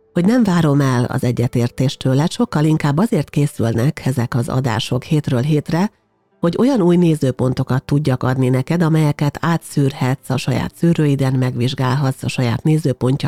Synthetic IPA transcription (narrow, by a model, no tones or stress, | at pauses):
ho̞ɟnɛɱvaːɾo̞mɛlɒ̰zɛɟːɛt̪eːrt̪eːʃt̪øːlɛt̪ʃo̞kːɒliŋkaːbːɒzeːrt̪keːsylnɛkʰɛzɛkɒzɒ̰d̪a̰ːʃo̞kheːt̪røːlɦeːt̪rɛ | ho̞ɟo̞jɒnuːjneːzøːpo̞nt̪o̞kɒt̪ːuɟːɒkɒd̪ninɛkɛd̪ɒmɛjɛkɛt̪ʰaːt̪syːrhɛt̪sɒʃɒja̰ːt̪syːɾøːid̪ɛnmɛɡʋiʒɡaːlɦɒt̪sɒʃɒja̰ːt̪neːzøːpo̞ɲcɒ